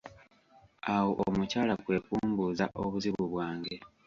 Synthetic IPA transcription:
awo̞ʔomucaːlakwe̞ːkuːmbuːzaʔoβuziβuβwaːŋɡe̞

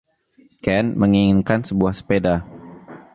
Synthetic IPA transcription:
kɛnməŋiŋɪnkansəbuahspeda

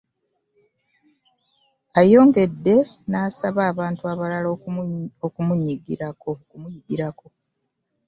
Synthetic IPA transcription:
ajo̞ːŋɡe̞dːe̞ | naːsaβaːβaːntuaβalalookumuɲːiɡḭɾako̞kumujiɡiɾako̞

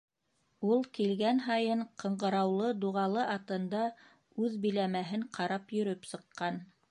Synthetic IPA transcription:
ulˠkilɡænɦɑjɤɴqɤ̆ɴɢɤ̆ɾɑwlˠɤd̪uʁɑlˠɤʔɑt̪ɤ̆nd̪ɑ | ʉðbĭlæmæɦɘɴqʰɑɾɑpjɵ̆ɾɵpsɤ̆qːɑn

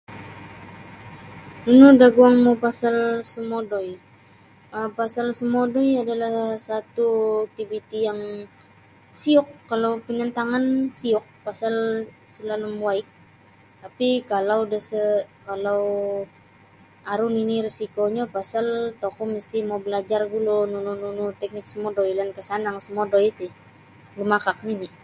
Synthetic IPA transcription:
unudaɡuaŋmopasalsumodoj | əpasalsumodɔjadalahhsat̪ut̪ibit̪ijaŋ | siʊkːalawpinənt̪aŋansiɔk̚pasalsəlalumwaɪk̚ | t̪apikalawdasəkalaw | aɾʊniniɾisikoɲapasalt̪okɔməst̪imawbəlad͡ʒarɡulonunununut̪ɛk̚nɪk̚səmodojlankəsanaŋsəmodojt̪ɪ | lumakak̚nini

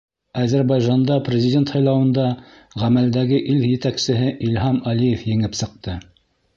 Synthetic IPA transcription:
æzæɾβɑjʒɑnd̪ɑprʲɪzʲɪdʲe̞nt̪hɑjlˠɑwɤ̆nd̪ɑ | ʁæmæld̪æɡɘʔiljɘ̆t̪æksɘ̆ɦɘʔilʲɦɑmɑlijefjɘ̆ŋɘpsɤ̆q̚t̪ɤ

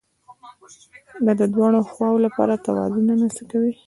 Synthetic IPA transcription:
d̪ad̪əd̪wɑɽ̃oxwɑwolapɑ̰ɾat̪awɑ̰zunanasəkawi

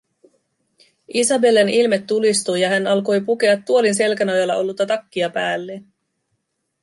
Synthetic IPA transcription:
ʔisɑbe̞lenilme̞t̪ːulist̪ujɑɦænɑlko̞jpuke̞ɑt̪ːuo̞linse̞lkænojɑlːɑʔo̞lːut̪ːɑt̪ɑkːiɑpæːlːen

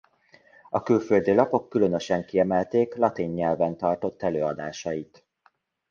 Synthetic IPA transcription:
ɒkylføld̪ilɒpo̞kːyløn̪ø̞ʃɛŋkiɛmɛlt̪eːklɒt̪iɲːɛlvɛnt̪ɒrt̪o̞t̪ːɛløːɒd̪aːʃɒjit̪

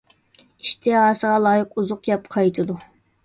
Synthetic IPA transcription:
iʃt̪ʰɨɑːsəʁɑlˠɑːjɪquzʊqjɑpqʰɑjt̪ʰɨd̪u

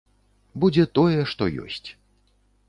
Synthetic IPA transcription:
bud͡zʲɛt̪ɔjɛʂt̪ɔjɔ̰sʲt͡sʲ

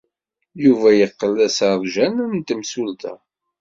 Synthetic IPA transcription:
juvæjəqːəlæsaðˤʒænnt̪əmsult̪æ̰

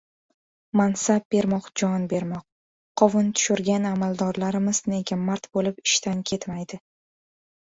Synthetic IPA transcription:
mansab̚be̞ɾmɒqd͡ʒɒnbe̞ɾmɒq̚ːʰ | ɒvɪnt̪ʰʊ̥ʃʊɾɡʲanamalˠd̪ɒɾlaɾɪmɪzneɡʲamaɾt̪bolɪpɪʃt̪ʰankʲʰe̞t̪majd̪ɪ

